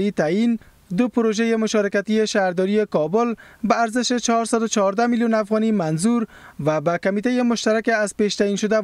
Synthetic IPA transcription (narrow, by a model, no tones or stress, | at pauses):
it̪ain | d̪ʊpʊɾoʒajemʊʃɔɾɪkat̪ieʃaɾd̪ɔɾiekɔbʊlbaːɾzɪʃet͡ʃaɦɔɾsad̪ʊt͡ʃaɦɔɾd̪amiljunafɣɔnimanzuɾ | vabakamit̪ajemʊʃt̪aɾakeazpeʃt̪ainʃʊd̪a